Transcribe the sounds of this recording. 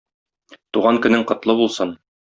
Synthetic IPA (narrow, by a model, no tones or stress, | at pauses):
t̪uʁɑŋkɵ̆nɘŋqɤ̆t̪lˠɤbulˠsɤn